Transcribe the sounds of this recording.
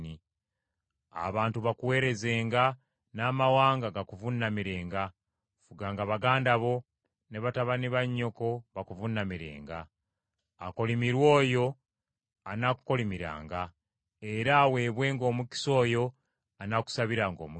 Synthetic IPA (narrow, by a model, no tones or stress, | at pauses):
ni | a̰βaːntuβakuwe̞ːɾe̞ze̞ːŋɡa | naːmawaːŋɡaɡakuvunːamiɾeːŋɡa | fuɡaːŋɡaβaɡaːndaβo̞ | ne̞βataβaniβaɲːo̞ko̞βakuvunːamiɾe̞̰ːŋɡaː | ko̞limiɾwo̞ːjo̞ | anaku̥ko̞limiɾa̰ːŋɡa | e̞ɾawe̞ːβwe̞ːŋɡo̞ːmuki̥so̞ːjo̞ | anaku̥saβiɾaŋɡo̞ːmu